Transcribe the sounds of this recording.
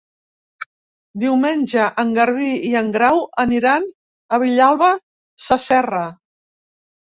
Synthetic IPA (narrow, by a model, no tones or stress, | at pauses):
d̪iwmenʲʒəʔəŋɡəɾβiiəŋɡɾawəniɾan | əβ̞iʎalˠβə | səsɛrə